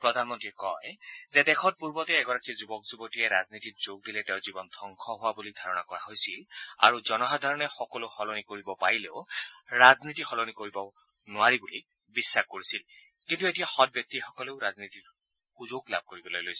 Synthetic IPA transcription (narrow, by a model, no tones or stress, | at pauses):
pɹɔdʱanmɔntɹikɔjzɛdɛkʰɔt̚puɹbɔtɛːɡɔɹakizubɔkzubɔtijɛɹaznitit̚z̥oɡ̚dilɛtɛʊzibɔndʱɔŋkʰɔɦʊwabulidʱaɹɔnakɔɹaɦojsila̰ɹuzɔnɔɦadʱaɹɔnɛxɔkɔloxɔlonikoɹibɔpaɹileʊɹaznitixɔlonikoɹibɔ | nʊwaɹibuli | bisːaxkoɹisil | kintuetijaxɔt̚bjɔk̚tixɔkɔleʊɹazniti | xuzokla̰b̚ʱkoɹibɔlojlojs